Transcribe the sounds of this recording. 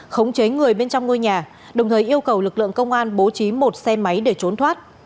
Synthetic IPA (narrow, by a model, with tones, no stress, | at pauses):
xə˨˦wŋ͡mt͡ɕe˨˦ŋɨ˨˩əjɓe˧nt͡ɕɔ˧wŋ͡mŋo˧jɲaː˨˩ | ɗə˨˩wŋ͡mt̪ʰəː˨˩jʔi˧əwkə˨˩wlɨ˨˩k̚lɨ̰˧˨əŋkə˧wŋ͡mʔaː˧nɓo˨˦t͡ɕi˨˦mo˨˩t̚sɛ˧ma˨˦jɗe˧˩t͡ɕo˨˦nt̪ʰwaː˦˥t̚